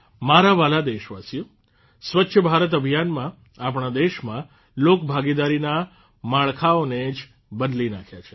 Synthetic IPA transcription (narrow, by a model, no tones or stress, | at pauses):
maɾaʋalad̪eʃʋasijo | sʋətːʃʰəbʱaɾət̪̬əbʱijanmã | ap̬ɳ̃ad̪eʃmã | lokbʱaɡid̪aɾina | maɭkʰaoned͡ʒ | bəd̪linakʰjat͡ʃʰe̥